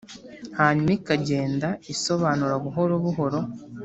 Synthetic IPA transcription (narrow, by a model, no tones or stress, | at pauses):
haɲumikaɟeːndaiso̞βaːnuɾaɡuɦo̞ɾoβuɦo̞ɾo̞